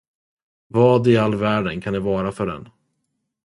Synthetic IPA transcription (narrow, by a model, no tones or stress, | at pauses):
vɑːd̪ɪalːvæːɖənkʰanɛvɑːɾafœɖɛ̰n